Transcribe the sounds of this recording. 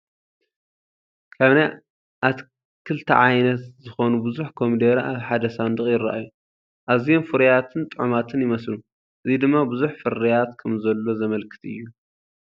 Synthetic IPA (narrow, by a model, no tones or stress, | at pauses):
kʰaβnaj | ʔat̪ | kʰɨlt̪ʰɐ̰ʕajnɐt̪zɨxo̞nubɨzuħkʰo̞md̪eɾʔaβħad̪ɐsand̪ɨχʼjɪra̰ʔaju | ʔaβzijo̞mfɨɾɐjat̪ʰɨnt̪ʼɨʕumat̪ʰɨnjɪmɐslu | ʔɨzid̪ɨmːabɨzuħfɨɾɐjat̪kʰɐmzɐlːo̞zɐmɐlkʰɨ̥t̪ʰɨjːu